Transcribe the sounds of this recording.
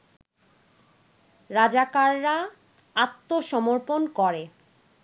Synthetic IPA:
ɾad͡ʑakaɾːa | at̪ːoʃɔmoɾponkɔɾe

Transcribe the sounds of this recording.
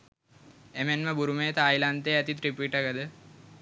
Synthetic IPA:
emenməbuɾumeːt̪ajlant̪eæt̪it̪ɾipiːʈakəd̪ə

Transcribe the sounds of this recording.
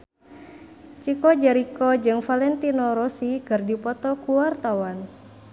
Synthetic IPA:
t͡ʃikɔd͡ʒɛɾikɔd͡ʒɨŋfalɛnt̪inɔɾɔsiɡɨrdipɔt̪ɔkuwart̪awan

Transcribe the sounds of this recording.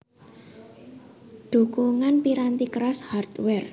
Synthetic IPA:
ɖ̪̥ṳkuŋanpiɾant̪ikɾashart̪wɛr

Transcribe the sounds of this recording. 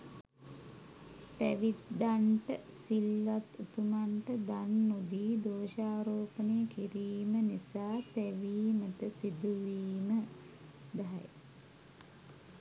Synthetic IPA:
t̪æ̰ʋit̪d̪aɳʈəsilːat̪ut̪umaɳʈəd̪anːod̪iːd̪oːʃaːɾoːpənejəkiɾiːmənisaːt̪æʋiːməʈəsid̪uʋiːmə | d̪aɦa̰j

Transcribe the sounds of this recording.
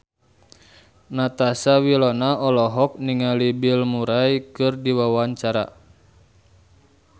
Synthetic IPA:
nat̪asawilɔnaɔlɔɦɔk̚niŋalibilmuɾajkɨrdiwawaɲt͡ʃaɾa̰

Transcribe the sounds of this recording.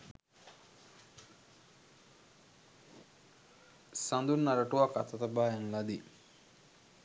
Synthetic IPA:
sand̪unːaɾəʈuʋakat̪ɐt̪əbaːjaŋlad̪i

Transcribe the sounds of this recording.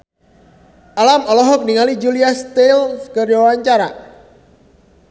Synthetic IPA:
ʔalamɔlɔɦɔk̚niŋalid͡ʒuliast̪elkərwawaɲt͡ʃaɾa

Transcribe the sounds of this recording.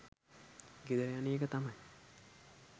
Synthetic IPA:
ɡid̪əɾejanijəkət̪amaj

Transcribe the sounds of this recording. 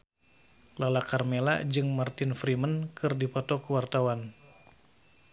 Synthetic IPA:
lalakarmela̰d͡ʒɨŋmart̪ɪnfɾimənkɨrdipɔt̪ɔkəwart̪awan

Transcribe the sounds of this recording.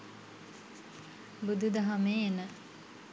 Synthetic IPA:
bud̪ud̪əɦameːenə

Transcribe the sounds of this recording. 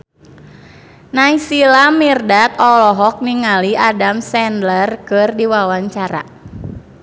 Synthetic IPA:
naisilamirdat̪̚ɔlɔɦɔk̚niŋaliʔadamsɛndlərkɨrdiwawaɲt͡ʃaɾa̰

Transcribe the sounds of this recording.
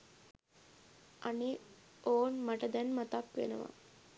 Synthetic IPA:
ʔane | oːnmaʈəd̪ɛnmat̪akʋḛnəʋa̰

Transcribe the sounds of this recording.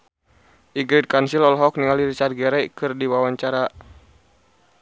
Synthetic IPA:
ʔiɡɾit̪̚kansilɔlɦɔk̚niŋaliɾit͡ʃat̚ɡɛɾɛjkɨrdiwawaɲt͡ʃaɾa

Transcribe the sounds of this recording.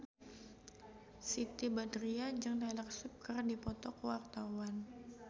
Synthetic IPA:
sit̪ibadɾiad͡ʒɨŋdalaksup̚kərdipɔt̪ɔkwart̪awan

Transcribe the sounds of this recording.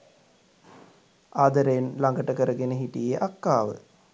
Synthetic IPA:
aːd̪əɾenlaŋɡəʈəkəɾəɡenəɦiʈijeʔakːaːʋə̰

